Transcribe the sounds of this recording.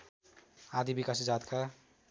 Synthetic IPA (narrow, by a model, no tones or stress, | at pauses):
ad̪ibikasd͡zat̪kʰa